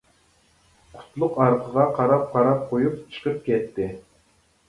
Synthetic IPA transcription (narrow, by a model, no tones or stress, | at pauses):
qʰʊ̥t̪ʰlˠʊqɑɾqʰəʁɑqʰɑɾɑp̚qʰɑɾɑp̚qʰojup̚t͡ʃʰə̥qʰəp̚kʲʰɛt̪ʰːɪ